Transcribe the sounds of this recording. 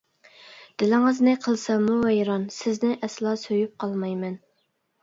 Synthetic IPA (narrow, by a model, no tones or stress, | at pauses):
d̪̥ɪlɪŋɨznɨqʰəlˠsɑmuwɛjɾɑnsɪznɪʔɛslˠɑsøjyp̚qʰɑlˠmɑjmɛn